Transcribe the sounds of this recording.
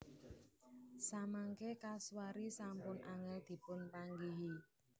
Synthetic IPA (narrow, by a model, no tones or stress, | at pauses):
samaŋkekaswaɾisampʊnʔaŋəld̪̥i̤pʊnpaŋɡiɦi